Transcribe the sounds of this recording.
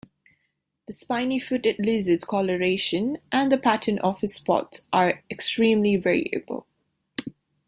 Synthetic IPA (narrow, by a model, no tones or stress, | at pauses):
ðəspãɪ̃nifʊtɨtlɪzɪz̥kʰɔləɹeɪʃə̃nʔə̃nðəpʰætʰənʔɔv̥ɨz̥spɔ̰tsʔəɹɛkstɹĩːmlivɛɹiə̰bə̰lˠ